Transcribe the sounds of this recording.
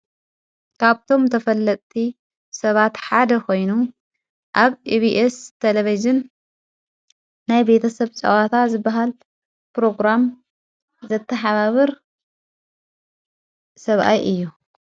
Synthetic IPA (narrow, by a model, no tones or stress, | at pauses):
kʰaβt̪ʰo̞mt̪ʰɐfɐlːɐt̪ʼt̪ʰi | sɐβat̪ħad̪ɐkʰo̞jnu | ʔaβiβiʔest̪ʰelevizɪn | ajbe̞t̪ʰɐsɐβt͡ʃʼɐ̰wat̪ʰat̪zɨbːɐɦal | pɾo̞ɡɾam | zɐt̪ʰːɐħaβaβɨɾ | sɐβʔa̰jʔɨjːu